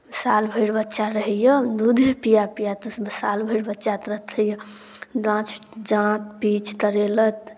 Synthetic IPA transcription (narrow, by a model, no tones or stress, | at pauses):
salbʱəɽbətːʃaɾəɦəjəd̪ud̪ʱepijapijat̪salbʱəɽbətːʃat̪əɾət̪ʰəjə | d͡ʒãt͡ʃʰd͡ʒãt̪̚pit͡ʃʰt̪əɾelət̪